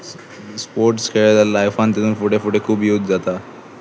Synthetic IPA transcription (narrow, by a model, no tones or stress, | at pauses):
spoɾʈskʰeɭd̪alajfant̪ed̪unfuʈefuʈekʰuːbiut̪d͡zat̪a